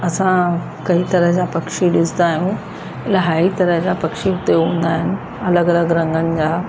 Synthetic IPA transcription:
ɐsã | kɐit̪ɐɾəɦd͡ʑaːpɐkʃiɗɪsnaːɦijũ | lɐɦaːit̪ɐɾəɦd͡ʑapɐkʃiɦʊt̪eɦũːn̆d̪aːɦɪnɪ̆ | ɐləɡɐləɡɾɐ̃ŋɡənɪ̆d͡ʑaː

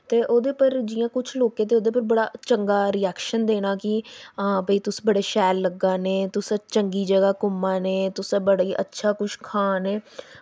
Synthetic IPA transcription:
t̪eːʔoːd̪eːpəɾd͡ʒɪjãːkʊt͡ʃʰloːkẽːt̪̬eːoːd̪eːpəɾbəɽaːt͡ʃəŋɡaːɾiɛːkʃənd̪eːɽaːkɪbəiːt̪ʊsːbəɽeːʃɛːlːəɡaːnẽːt̪ʊsãːt͡ʃəŋɡiːd͡ʒəɡaːkʊmːãːneːt̪ʊsãːbəɽaiːʔə̰tːʃʰaːkʊʃʰkʰaːneː

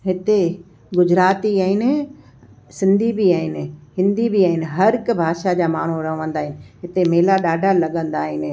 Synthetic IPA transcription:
ɦɪt̪e | ɡʊd͡ʑɾaːt̪iaːɦɪnɪ̆ | sɪ̃nd̪ʱibiaːɦɪnɪ̆hɪ̃nd̪ibiaːɦɪnɪ̆ɦɐɾkbʱaːʃad͡ʑaːmaːɳ̤uɾɐɦʋə̃nd̪aːɦɪnɪ̆ɦɪt̪emeːlaɗaːɖʱalɐɠə̃nd̪aːɦɪnɪ̆

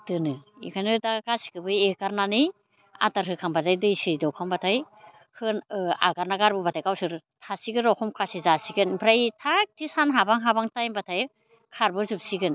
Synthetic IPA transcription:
tɯnɯikʰanɯdakasi̥kɯbɯjekaɾnanɯj | a̰taɾɦɯkʰambatʰajdɯjsidɔwkʰambatʰaj | hɯna̰ɡaɾnaɡaɾbɯbatʰajkawsɯɾtʰasiɡɯɾɔkʰɔmkʰasizasiɡɯnbʰɾajtʰak̚tisanɦabaŋɦabaŋtajmbatʰaj | kʰaɾbɯzup̚siɡɯn

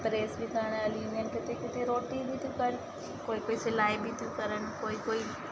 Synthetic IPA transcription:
pɾeːsbʱikaːɽ̃əlinenket̪ekɪt̪ʰeɾoːʈibʱit̪ʰikəɾ | koːikoːisɪlaːibʱit̪ʰikəɾəñkoːikoːi

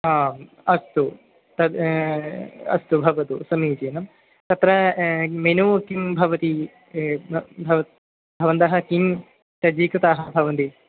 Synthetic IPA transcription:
aː | ɐst̪u | t̪ɐd̪ | ɐ̰st̪ubʱɐʋɐt̪usɐmiːd͡ʒeːnɐm | t̪ɐt̪ɾɐmenuːkimbʱɐʋɐt̪i | bʱɐʋɐ | bʱɐʋɐnt̪aːɦɐkim | t̪ɐd͡ʒiːkɾɐt̪aːɦɐbʱɐʋɐnt̪i

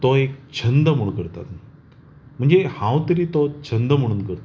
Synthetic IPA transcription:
t̪ɔek̚t͡ɕʰənd̪əm̤əɽkəɾt̪a̰t̪ | m̤əɳd͡zehãwt̪əɾiːt̪ot͡ɕʰənd̪əm̤əɽ̃uːnkəɾt̪

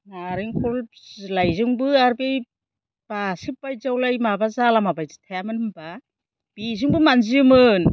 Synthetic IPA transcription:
naɾiŋkʰɔllajzɯŋbɯaɾbej | b̥asip̚b̥ajzawlajmabazalamabajzɯtʰajamɯnɯmba | b̥izɯŋbɯmanzimɯn

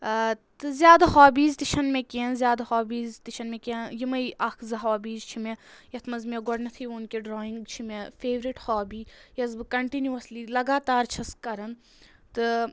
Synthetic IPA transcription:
t̪ɨzʲjaːd̪aɦaːbiːzt̪iʃɐnmẽkiɐnzʲjaːd̪aɦaːbiːzt̪iʃʰɐnmẽkiɐnjimɐiʔɐkʰzɐɦaːbiːzt͡ʃʰimẽjɐt̪ʰmɐzmeɡɔɖnɐt̪ʰiːʋnkeɖɾoːĩŋɡt͡ʃʰimẽfʰeːʋɾiʈhaːbiːjɐzbɨkɐɳʈinjuɐslilɐɡaːt̪aːɾt͡ʃʰɐskɐɾɐn | t̪ɨ

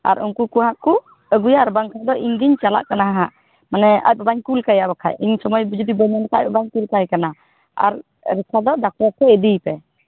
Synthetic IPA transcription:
a̰ɾunkukuɦãʔku | əɡujaɾbaŋkʰad̪ɔʔiɲɡ̪iɲt͡ʃala̰ʔkanaɦɦaʔ | manɛa̰c̚babaɲkulkajaʔbakʰajiɲsɔmɔjbd͡ʒud̪ibəɲankɛac̚bbaɲkulkajkana | a̰ɾ | ɾɛkʰad̪ɔd̪ak̚ʈɔɾt̪ʰɛɛd̪ijpɛ

